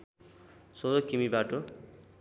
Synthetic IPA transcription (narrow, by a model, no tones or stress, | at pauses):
soɾokimibaʈo